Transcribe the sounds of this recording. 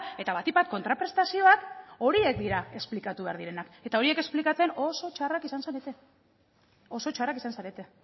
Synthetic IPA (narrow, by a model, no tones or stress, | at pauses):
e̞t̪aβat̪ipat̪̚ko̞nt̪ɾapɾe̞st̪asio̞ako̞ɾie̞k̚d̪iɾae̞splikat̪uβe̞a̰ɾð̞iɾe̞nake̞t̪ao̞ɾie̞ke̞splikat͡se̞no̞so̞t͡ʃarakisansaɾe̞t̪e̞ | o̞so̞t͡ʃarakisansaɾe̞t̪e̞